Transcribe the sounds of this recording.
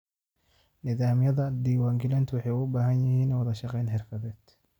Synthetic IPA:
nɪðaːmjɐðɐd̪iːwaːŋɡɪlɛnt̪ʰwɑħɑjʊbaːɦɐnjɪhiːnːwɐðɐʃɑqɛjnħɪrkʰɐðɛːd̪̥

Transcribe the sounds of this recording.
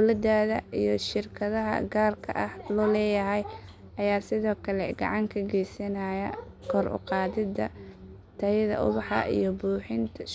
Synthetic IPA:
lɐd̪aːðɐʔijɞʃɪrkʰɐðɐɦɐ̰ɡaːrkʰɐ̰ʔɐhlɔːlɛːjɐɦɛj | ʔɐjaːsɪðɔːkʰɐlɛɡɑ̰ʕɑŋkʰɐɡɛjsɐnɐjɐ | kʰɔːrʔʊ̰qɑːðɪd̪ɐ | t̪ʰɐjðɐ̰ʔʊ̰βɑħɐ̰ʔḭjɔbuːħɪnt̪ʰɐ

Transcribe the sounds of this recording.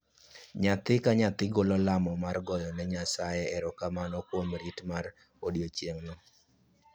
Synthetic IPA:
ɲat̪ɪkaɲat̪ɪɡolɔlamɔmarɡɔjɔnɛɲasajɛɛɾɔkamanɔkwomɾitmar | odjot͡ʃjeŋnɔ

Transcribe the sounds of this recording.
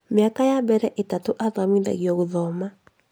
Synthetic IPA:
mjakajabɛɾɛʔetatoʔaðamiða̰ɣjɔɣuðɔma

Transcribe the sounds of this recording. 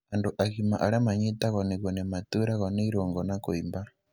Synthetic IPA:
anduʔaɣima̰ʔaɾamaɲitaɣɔniɣɔnemat̪uɾaɣɔniɾoŋɡɔnakuimba

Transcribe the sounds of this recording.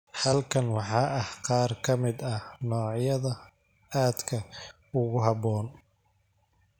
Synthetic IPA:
hɐlkʰɐnwɑħɑːʔɐhqɑːrkʰɐmɪd̪ɐnɔːʕjɐðɐ | aːd̪kʰɐ | ʊɣʊɦɑbɔːn

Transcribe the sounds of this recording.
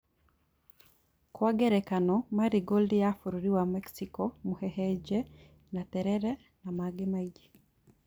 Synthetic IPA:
kwaɡɛɾɛkanɔmaɾiɡoldijafuɾuɾiwamɛksikɔmuhɛhɛd͡ʒɛ | natɛɾɛɾɛ | namaɡemaid͡ʒi

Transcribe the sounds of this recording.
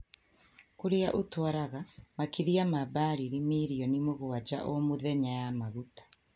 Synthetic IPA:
koɾeaʔotwaɾaɣamakiɾiamabaːɾiɾimeːɾiɔnimoɣoad͡ʒa̰ʔɔmoðɛɲajamaɣutḁ

